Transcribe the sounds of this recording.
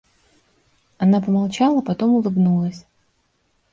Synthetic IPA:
ɐnapəmalˠt͡ɕalˠəpɐt̪o̞mʊlˠɨɡnulˠəsʲ

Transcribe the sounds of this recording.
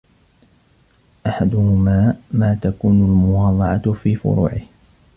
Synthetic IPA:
ʔaħad̪ʊhʊmaːmaːt̪akuːnʊlmʊwɑːd̪ˤɑʕɑfiːfʊ̰ɾṵːʕɪh

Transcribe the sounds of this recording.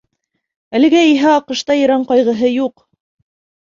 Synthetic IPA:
ælɘ̆ɡæiɦæɑqɤ̆ʃt̪ɑjɤ̆ɾɑɴqɑjʁɤ̆ɦɤjuq

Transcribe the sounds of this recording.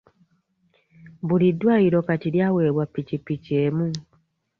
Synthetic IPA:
bulidːwaːiɾo̞katiljaːwe̞ːβwapːicipːiceːmu

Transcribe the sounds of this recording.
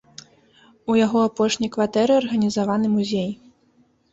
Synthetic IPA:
ujaɣɔapɔʂnʲɐjkvat̪ɛɾɨɐrɣɐnʲizavanɨmuzʲej

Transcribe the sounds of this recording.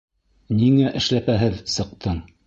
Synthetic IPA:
niŋæʔɘ̆ʃlæpæɦɘðsɤ̆q̚t̪ʰɤɴ

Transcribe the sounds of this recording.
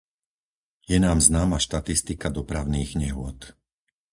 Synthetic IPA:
jɛnaːmznaːmaʃt̪at̪ist̪ikad̪ɔpɾaʊniːɣɲɛɦʊɔt̪

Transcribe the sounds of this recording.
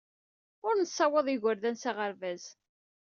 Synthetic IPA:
ʊɾnəsˤːɑwəðˤiʝəɾðænsaʁəɾvæz

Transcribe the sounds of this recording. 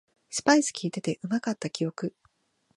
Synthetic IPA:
sɨ̥paizɨ̥kʲiːt̪e̞t̪e̞ʔɯ̟makat̪ːakʲijo̞kɯ̟

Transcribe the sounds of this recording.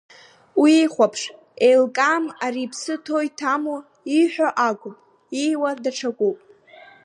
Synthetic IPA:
wiiχʷapʰʂ | ejlkʼaːmaɾipʰsɨtʰo̞jtʰamu | iħʷᶣaʔaɡʷʼʊpʼ | iwadaʈ͡ʂʰakʷʼupʼ

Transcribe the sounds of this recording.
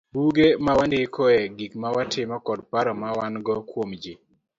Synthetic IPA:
buɡemawandɪkʰɔɛɡikmawatʰɪmɔkɔdpaɾɔmawanɡɔkwomd͡ʒɪ

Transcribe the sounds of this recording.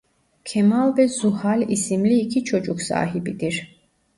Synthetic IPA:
kʰɛmalˠbɛzuhalisimliːkʰit͡ʃʰɔt͡ʃʼukʰsa̰ːɦibid̪iɾ

